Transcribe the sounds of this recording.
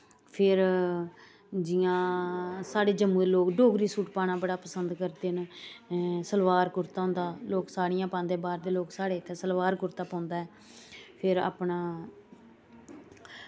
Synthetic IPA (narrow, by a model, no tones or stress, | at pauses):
pʰɪɾ | d͡ʒɪjãːsaːɽeːd͡ʒəmːũːd̪eːloːkɖoːɡɾiːsuːʈpaːnãːbəɽaːpəsənd̪kəɾd̪eːn | səlʋaːɾkʊɾt̪aːɦʊ̃nd̪aːloːksaːɽɪjãːpãːnd̪eːbaːɾd̪eːloːksaːɽeːɪt̪ʰːeːsəlʋaːɾkʊɾt̪aːpãːnd̪aːɦɛː | pʰɪɾa̰ːpɳaː